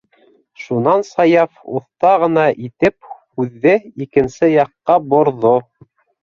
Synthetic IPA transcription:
ʃunɑnsɑjɑfṵθt̪ɑʁɤ̆nɑʔit̪ɘp̚hʉðːɘikɘ̆nsɘjɑqːɑbŏɾðo

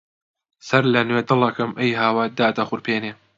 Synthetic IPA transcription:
sɐɾlɐnweːd̪ɨlɐkɨmʔɐjɦaːwɐd̪aːd̪ɐxʊɾpʰeːneː

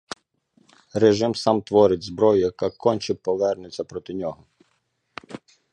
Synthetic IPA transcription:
reʒɪmsɑmt̪ʋɔɾɪdʲzbɾɔjʊjɐkɑkɔnʲt͡ʃɪpɔʋɛrnʊt͡sʲːɐpɾɔt̪ɪnʲɔɦɔ

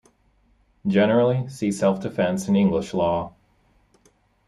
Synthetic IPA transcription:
d̥ʒɛnə˞l̩ˠisisɛlˠfd̥ɨfɛ̃nsɨ̃nɪ̃ŋɡləʃlɔ

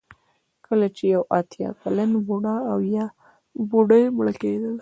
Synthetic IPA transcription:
kəlat͡ʃejawɑt̪jɑ̰kalənbuɽaːwjɑ | buɖəjmɭəked̪əl

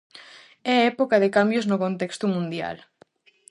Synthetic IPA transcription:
ɛɛpokaðekambjoznokõnt̪ekst̪umũnd̪ja̰l

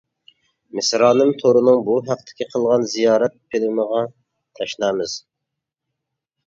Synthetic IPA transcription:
mɪsɾɑːnɨmt̪ʰoɾɨnɨŋbuɦæq̚t̪ʰɪ̥kʲiqʰəlˠʁɑnzijɑːɾɛt̪̚pʰilɪməʁɑ | t̪ʰɛʃnɑmɨz̥

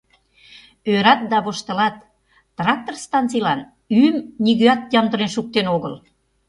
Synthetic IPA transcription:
øɾɑt̪̚d̪ɑβoʃt̪ə̆lɑt̪ː | rɑk̚t̪orst̪ɑnt͡sijlɑn | ymniɣøɑt̪̚jɑmd̪ə̆ɾenʃuk̚t̪enoɣəl

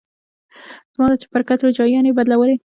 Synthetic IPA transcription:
z̥mɑd̪at͡ʃe̥pəɾkat̪ɾod͡ʒɑjɑnebad̪lawəle

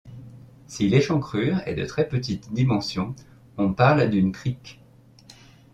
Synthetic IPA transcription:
sileʃɑ̃kχyːʁɛ̰d̪ə̰t̪χɛpət̪it̪d̪imɑ̃sjɔ̃ | ɔ̃paʁld̪ynkχik

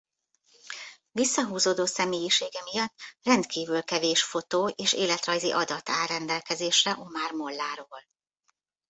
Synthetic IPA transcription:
visːɒɦuːzoːd̪oːsɛmeːjiʃeːɡɛmijɒt̪ːrɛnt̪kʰiːvylkɛveːʃfo̞t̪oːeːʃḛːlɛt̪rɒjzḭʔɒd̪ɒt̪a̰ːrɛnd̪ɛlkɛzeːʃɛʔo̞maːrmo̞lːaːɾoːl

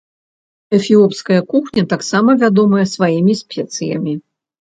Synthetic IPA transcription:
ɛfʲiɔpskɐjɐkuxnʲɐt̪aksamɐvʲad̪ɔmɐjɐsvajimʲisʲpʲɛt̪sɨjɐ̰mʲi

